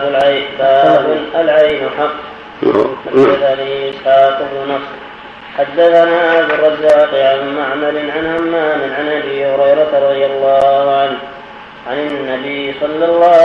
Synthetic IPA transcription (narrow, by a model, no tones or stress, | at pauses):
ʊlʕajbaːbʊnʔalʕajnʊħɑqː | ħaad̪ːaθanisħaːt̪ʊɦʊnɑfsˤ | ħad̪ːaθanaːʔabd̪ʊrˤːɑzːaːqʕanmaʕmɑɾɪnʕanhamːaːmɪnʕanʔabiːhʊɾɑjɾˤɑt̪ɾˤɑd̪ˤɨjalˤːɑːhʕan | ʕanɪnːabisˤɑlːɑlˤːɑː